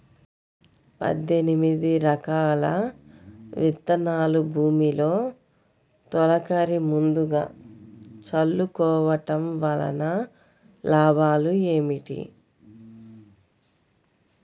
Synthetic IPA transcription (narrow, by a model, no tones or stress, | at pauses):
pɐ̰d̪enimid̪iɾɐkaːlɐ̰ | ʋit̪ːɐnaːlubʱuːmilo̞ː | t̪ɔlɐkɐɾimund̪uɡa̰ː | t͡ʃɐlːukɔːʋɐʈɐmʋɐlɐ̰nɐ | laːbʱaːlue̞ːmiʈḭ